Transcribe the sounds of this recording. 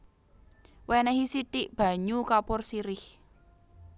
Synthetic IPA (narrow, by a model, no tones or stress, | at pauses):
wɛnɛɦisiʈɪʔb̥a̤ɲukapʊrsiɾɪh